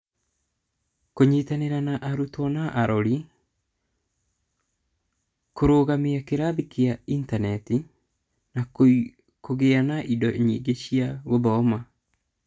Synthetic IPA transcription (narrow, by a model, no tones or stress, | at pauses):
koɲitaneɾanaʔaɾutwɔnaʔaɾɔɾi | koɾoːɣameakeɾaβikeaintanɛti | na | koɣeanaʔidɔɲḭɡeɕiaɣoβɔma